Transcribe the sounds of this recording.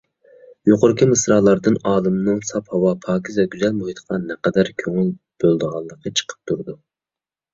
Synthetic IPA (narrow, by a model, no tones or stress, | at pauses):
joqoɾkʰʲimɨsɾɑːlˠɑɾd̪ɨnɑːlˠɨmɨnɨŋsɑphɑwɑpʰɑːkʲʰizɛɡʲyzɛlmohit̪ʰə̥qʰɑnɛqɛd̪æɾkʲʰøŋyl | b̥ølˠd̪əʁɑlˠːəqːɑt͡ʃʰə̥qʰə̥p̚t̪ʰuɾd̪u